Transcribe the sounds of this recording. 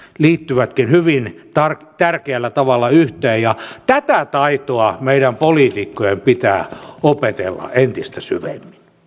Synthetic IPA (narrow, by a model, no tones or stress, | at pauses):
liːt̪ːyʋæt̪kinhyʋint̪ɑrt̪ærkeælːæt̪ɑʋɑlːɑyht̪eːjjɑt̪æt̪æt̪ɑit̪oɑmeiɾæmpoliːt̪ikːojempit̪æ̰ːopet̪ḛlːɑ̰ʔent̪ist̪æsy̰ʋḛmːin